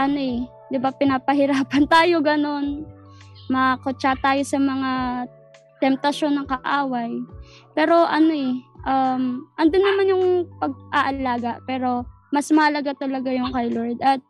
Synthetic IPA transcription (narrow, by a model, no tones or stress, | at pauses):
ʔɐno̞ɛ | d̪ɪbapɪnapɐɦɪɾaːpɐnt̪aːjo̞ɡɐno̞n | mɐkot͡ʃat̪aːjo̞sɐmɐŋa | t̪ɛmp̚t̪ɐʃo̞nːɐŋkɐʔaːwɐjpɛːɾo̞ʔɐno̞ʔɛʔɐmʔɐnd̪onːɐmanjʊŋpɐɡ̚ʔaʔɐlaːɡɐʔpɛːɾo̞ | mɐsmɐɐlɐɡat̪ɐlɐɡajʊŋkɐjloɹd̪ɐt̪̚